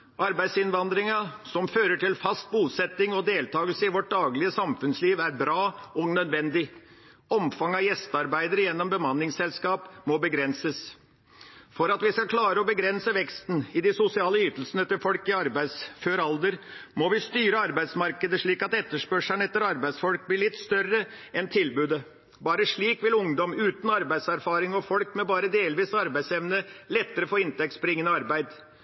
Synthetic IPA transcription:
ʔɑɾbæɪsɪnʋɑnd̪ɾɪŋɑsɔmføːɾəʈʰɪlfɑst̪̚buːsɛt̪ːɪŋɔd̪eːlt̪ʰɑːɡəlsəɪʋɔʈ̚d̪ɑːɡlɪəsɑmfʉnsliːʋæɾbɾɑːɔnœd̪ʋɛnd̪ɪ | ɔmfɑŋɑjɛst̪ɑɾbæɪd̪əɾəjɛnːɔmbəmɑnːɪŋsɛlskɑːpmɔbəɡɾɛnsəs | fɔɾɑt̪ʋɪskɑkʰlɑːɾəɔbəɡɾɛnsəʋɛkst̪n̩ɪd̪ɪsʊsɪɑːləʏt̪əl̩sənəɛt̪ːəɾfɔlkɪɑɾbæɪsføːɾɑld̪əɾmɔʋɪst̪yːɾəɑɾbæɪsmɑɾkəd̪əʂɭiːkɑt̪ɛt̪ːəʂpœʂəɳəɛt̪ːəɾɑɾbæɪsfɔlk̚blɪɭɪt̪ːst̪œrə | ɛnt̪ʰɪlbʉːd̪ə | bɑːɾəʂɭiːkʋɪlʊŋd̪ɔmʉːt̪n̩ɑɾbæɪd̪sæɾfɑːɾɪŋɔfɔlkmɛbɑːɾəd̪eːlʋiːsɑɾbæɪsɛʋnəlɛt̪ːəɾəfoːɪnt̪ɛk̚t̪sbəɾɪŋːənəɑɾbæɪd̪

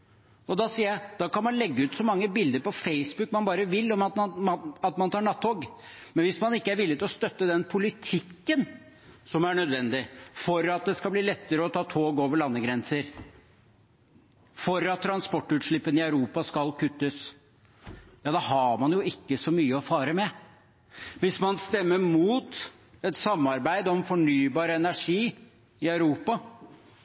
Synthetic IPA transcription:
ɔd̪ɑsiːəjæɪd̪̥ɑkɑnmɑnlɛɡːəʉːt̪sɔmɑŋːəbɪld̪əɾpɔfeɪsbʉkːmɑnbɑːɾəʋɪlːɔmɑt̪nmɑɑt̪mɑnt̪ʰɑːɾɳɑt̪ːhoːɡmɛnʋɪsmɑnɪkːəæɾʋɪlːɪt̪ɪlɔst̪œt̪ːəd̪ɛnpʰʊlɪt̪ʰɪkːən | sɔmæɳœd̪ʋɛnd̪ɪfɔɾɑt̪̚d̪ɛskɑbliːlɛt̪ːəɾəɔt̪ʰɑːt̪ʰoːɡoːʋəɭɑnːəɡɾɛnsəɾ | fɔɾɑt̪ʰːɾɑnspɔʈːʉːt̪ʂɭɪpːənɪœʉɾuːpɑskɑlkʰʉt̪ːəs | jɑːd̪ɛɦɑɾmɑnjʊɪkːəsɔmyːəɔfɑːɾəmɛ | ʋɪsmɑnst̪ɛmːəmuːt̪ | ɛt̪sɑmːɑɾbæɪd̪ɔmfɔɳyːbɑːɾəɛnæʂiː | ɪœʉɾuːpɑ

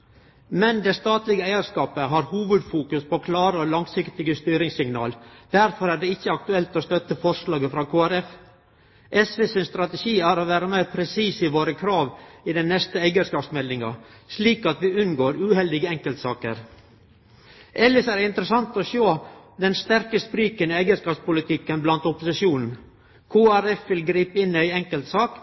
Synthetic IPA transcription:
mɛnd̪ɛst̪ɑːt̪lɪɡəæɪəɾskɑːpəɦɑːɾhuːʋʉd̪fuːkʉspʰoːkʰlɑːɾəɔlɑŋsɪkt̪ɪɡəst̪yːɾɪŋsɪŋnɑ̰ːld̪̥æɾfɔɾæːɖɛɪçːəɑkt̪ʉɛlt̪ɔst̪œt̪ːəfɔʂlɑːɡəfɾɑːkʰoːæɾɛf | ʔɛsʋeːsɪnst̪ɾɑt̪ɛʃiːæːɾoːʋæːɾəmæɪɾpʰɾɛsiːsɪʋoːɾəkʰɾɑːʋɪd̪ɛnɛst̪əæɪɡənskɑːpsmɛlːɪŋɑ̰ | ʂliːkɑt̪ʋɪʉnɡoːɾʉhɛld̪ɪɡəɛŋkəlt̪sɑːkə̰ɾ | ʔɛlːəsæːɾɪnt̪ɾəsɑnt̪ɔʃoːd̪ɛnst̪æɾkəspɾiːkənɪæɪɡənskɑːpspʊlɪt̪ʰɪkːənblɑnt̪ɔpʊsɪʃuːnn̩ | kʰuːæɾɛfʋɪlɡɾiːpəɪnæɪɛŋkəlt̪sɑːk

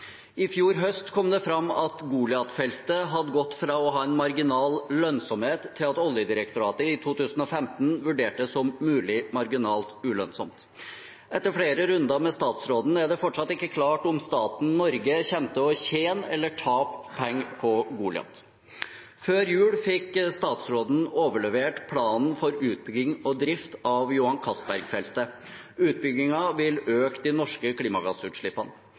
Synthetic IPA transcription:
ɪfjuːɾɦœst̪kʰɔmd̪ɛfɾɑmːɑt̪ɡuːlɪɑt̪fɛlt̪əɦɑd̪əɡɔt̪ːfɾɑɔɦɑːɛnmɑɾɡɪnɑːllœnsɔmheːt̪ʰːɪlɑt̪ɔljəd̪ɪɾəkt̪ʊɾɑːt̪əɪt̪ʰuːt̪ʰʉːsn̩ɔfɛmt̪n̩ʋʉɖeːʈəsɔmːʉːlɪmɑɾɡɪnɑːlt̪ʉlœnsɔ̰mt̪ | ʔɛt̪ːəɾfɽeːɾəɾʉnd̪ɑmɛst̪ɑːt̪sɾoːd̪nəæɖɛfɔʈʂɑt̪ːɪkːəkʰlɑːʈʊmst̪ɑːt̪n̩nɔɾɡəçɛnt̪əɔçeːnɛlːəʈʰɑːppʰɛŋːpʰɔɡuːlɪɑ̰t̪ | føːɾjʉːlfɪkst̪ɑːt̪sɾoːd̪n̩oːʋəɭɛʋeːʈpʰlɑːnn̩fɔɾʉːt̪̚bʏɡːɪŋɔd̪ɾɪft̪ɑʋjʊhɑnkʰɑsbæɾɡfɛlt̪ə | ʉːt̪̚bʏɡːɪŋɑʋɪløːkd̪ɪnɔʂkəkʰliːmɑɡɑsʉːt̪ʂɭɪpːɑnə

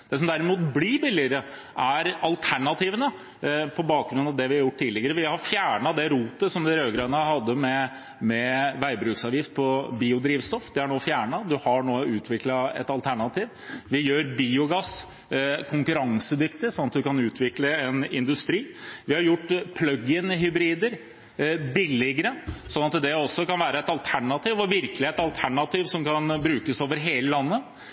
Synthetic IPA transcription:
d̪̥ɛs̬ɔmd̪æɾɪmuːt̪blibɪlːɪəɾə | ʔæɾɑlt̪ʰæɳɑt̪iːʋənə | pʰɔbɑːk̚ɡɾʉnːɑʋd̪ɛʋɪhɑɾjʊʈːʈ̪ʰːt̪ʰiːlɪɡəɾəʋɪhɑɾfjæːɳɑd̪ɛɾuːt̪əsɔmd̪ɛɾøːɡɾɑnəhɑd̪ːəmɛ | mɛʋæɪbɾʉːksɑːʋjɪft̪̚pʰɔbiːʊd̪ɾiːʋst̪ɔfːd̪ɛæɳoːfjæːɳɑd̪ʉhɑɳoːʉːt̪ʰʋɪklɑɛ̰t̪ɑlt̪ʰæɳɑt̪ʰiːʋ | ʋɪjøːɾbiːʊɡɑs | kʰʊŋkʉɾɑŋsəd̪ʏkt̪ɪsɔnɑt̪d̪ʉkʰɑnʉːt̪ʰʋɪkləɛnɪnd̪ʉst̪ɾiːʋɪhɑɾjʊʈːpʰlœɡənɦʏbɾiːd̪əɾ | bɪlːɪɡəɾəsɔnːɑt̪d̪ɛɔsːɔkɑnʋæːɾəɛt̪ɑlt̪ʰæɳɑt̪iːʋɔʋɪɾklɪɛt̪ɑlt̪ʰæɳɑt̪iːʋsɔmkʰɑnbɾʉːkəsoːʋəɾɦeːləlɑnːə

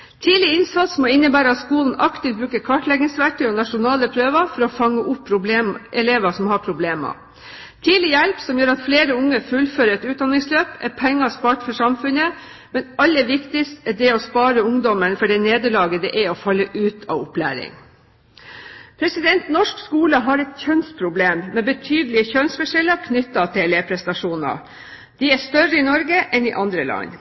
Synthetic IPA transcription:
t̪ʰiːlɪɪnsɑt̪smɔɪnːəbæːɾəɑt̪skuːln̩ɑkt̪ɪft̪bɾʉːkəkʰɑʈlɛɡnɪŋsʋæʈəɔːnɑʂʊnɑːləpʰɾøːʋəfɔɾɔfɑŋːəʔʊpʰːɾʊbleːmʔɛleːʋɑsɔmhɑːpʰɾʊbleːmɑ̰ | t̪ʰiːlɪjɛlpsɔmjøːɾɑt̪fleːɾəʊŋːəfʉlføːɾəɛt̪ʉːt̪̚d̪ɑnːɪŋsløːpɛpʰɛŋːɑspɑːʈfɔʂɑmfʉnə | mɛnɑlːəʋɪkt̪ɪst̪æɖɛɔspɑːɾəʊŋd̪ɔmənfɔɖɛneːd̪əɭɑːɡəd̪ɛʔæɔfɑlːəʔʉːt̪ʰɑ̰ːʋʊplæ̰ːɾɪ̰ŋ | pʰɾɛsɪd̪ɛnt̪nɔʂkskuːləɦɑɾɛt̪çœnspʰɾʊbleːmmɛbət̪ʰyːd̪əlɪəçœnsfɛʂɛləkʰnʏt̪ːɑt̪ʰɪleːpʰɾɛst̪ɑʂuːnə̰ | d̪̥ɪæʂt̪œɾəɪnɔɾɡəʔɛnɪʔɑnd̪ɾəlɑ̰ɲ

